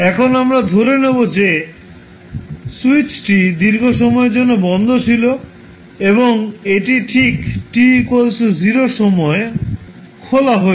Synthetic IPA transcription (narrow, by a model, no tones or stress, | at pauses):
ɛkʰonamɾad̪ʱoɾenebod͡ʑe | suit͡ɕʈid̪iɾɡʱoʃɔmɔeɾd͡ʑonːobɔnd̪ʱot͡ɕʰilo | eβoŋeʈiʈʰikʈikolsʰud͡ʑiɾoʃɔmɔe | kʰolaɦo